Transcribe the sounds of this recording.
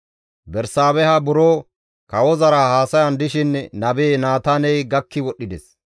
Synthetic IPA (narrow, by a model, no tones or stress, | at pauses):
bɛɾsaːbɛhɐbʊɾoː | kɐwɔzɐɾɐhaːsɐjɐnd̪ɪʃɪnnɐbeːnaːt̪aːnɛjɡɐkːɪwɔɗːɪd̪ɛs